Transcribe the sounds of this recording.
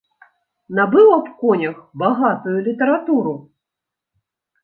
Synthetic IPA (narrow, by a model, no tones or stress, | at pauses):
nabɨwɐpkɔnʲɐxbaɣat̪ujulʲit̪ɛɾat̪uɾu